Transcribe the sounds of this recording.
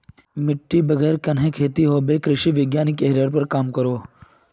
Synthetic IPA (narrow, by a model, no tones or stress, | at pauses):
mɪʈːibəɡeːɾkɐnɦẽkʰeːt̪iɦoːbeːkɾɪʃiʋɪɡjaːnikeɦɾəɾpɐɾkaːmkɐɾoː